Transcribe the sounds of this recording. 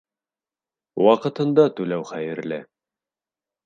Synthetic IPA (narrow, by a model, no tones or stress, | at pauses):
wɑqɤ̆t̪ɤ̆nd̪ɑt̪ʉlæwχæjɘ̆ɾlɘ